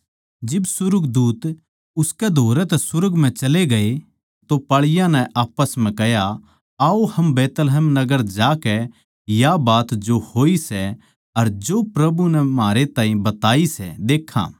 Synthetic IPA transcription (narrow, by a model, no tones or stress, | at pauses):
d͡ʒɪbsʊɾʊɡd̪uːt̪ | ʊskɛd̪ʱoːɾɛt̪ɛsʊɾəɡm̤ɛ̃t͡ʃɐleɡɐe | t̪opaɭɪjãnɛ̃ʔaːpəsm̤ɛ̃kɛɦja | aːohɐmbɛːt̪lɦɛmnɐɡəɾd͡ʒaːkɛ | jabaːt̪d͡ʒohoːisɛ | ɐɾd͡ʒopɾɐbunɛmaːɾet̪ãːĩbɐt̪aːisɛ̰d̪eːkʰːã̰ː